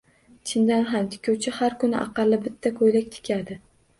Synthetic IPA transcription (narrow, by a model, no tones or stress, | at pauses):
t͡ʃʰɪnd̪anɦamt̪ʰɪ̥kʲʰuwt͡ʃʰɪhaɾkʰʊnɪʔɑ̰qɑlːɪbɪt̪ʰːakʰojlak̚ʲt̪ʰɪ̥kʲʰad̪ɪ